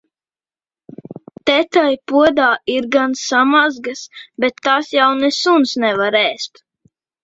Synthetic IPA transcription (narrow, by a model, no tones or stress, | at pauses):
t̪ɛt̪ajpuɔd̪aːiɾɡansamazɡasbɛt̪ːaːsjawnɛsunsnɛvaɾɛːst̪